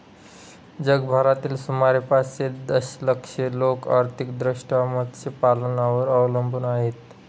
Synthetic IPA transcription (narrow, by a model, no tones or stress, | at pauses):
d͡ʑəɡbʱaɾat̪iːlsumaɾipased̪əsləkʂelokaɾt̪ʰikd̪ɾiʂʈamət̪t͡ɕepalnaʋəɾəʋləmbʱunaɦet̪